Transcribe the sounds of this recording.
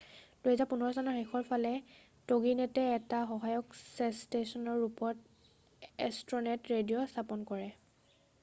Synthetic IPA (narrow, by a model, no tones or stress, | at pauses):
d̥uɦɛzapunɔɹɔsanaɹexɔɹpʰalɛ | toɡinɛtɛːtaxɔɦajɔksɛstesɔnɔɹːupɔt | ɛstɹɔnɛtɹedijɔstʰapɔnkɔɹɛ